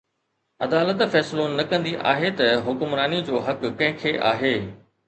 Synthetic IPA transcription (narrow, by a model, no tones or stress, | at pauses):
ɐd̪aːlət̪fɛːslonɐkɐ̃nd̪iʔa̰ːɦet̪ɐɦʊkʊmɾaːnid͡ʑoːɦɐkːɐ̃ɦɪ̃kʰeʔa̰ːɦeː